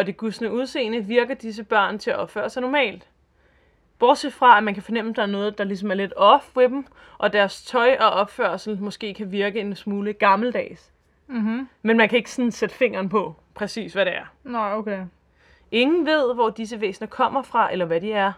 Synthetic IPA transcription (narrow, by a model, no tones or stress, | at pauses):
ɒ̽d̥eɡ̥usnəuðˠse̝̰ːnəʋiɐɡ̥ɐd̥is̬əb̥ɶɐ̰nt͡sʰe̝æʔɒ̽b̥fø̰ːɐsɑ̈ɪnɒmɛ̰ːld̥ | b̥ɒːd̥sefʁɑ̈æmænkʰæfɒ̽nem̰əd̥ɑ̈nɔ̽ːð̩ˠd̥ɑ̈lis̬ɒ̽mæɐle̝d̥ɒ̽fʋe̝d̥m̩ | ʔɒ̽d̥æɐst͡sʰɒ̽ɪʔɒ̽ʔɒ̽b̥føɐsl̩mɔ̽sɡ̥e̝̰ːkʰæʋiɐɡ̥əe̝nsmuːləɡ̥ɑ̈ml̩d̥ɛ̰ːs̩ | menmænkʰæe̝ɡ̥ə̥sɔ̽nsed̥əfe̝ŋ̰ɐːnpʰɒ̽ | pʰʁɛsḭːsʋæɾe̝æɐnokʰe | e̝ŋn̩ʋe̝ð̞̰ˠʋɒd̥is̬əʋḛːsn̩ɐkʰɒ̽m̰ɐfʁɑ̈ʔelɐʋæd̥iæɐ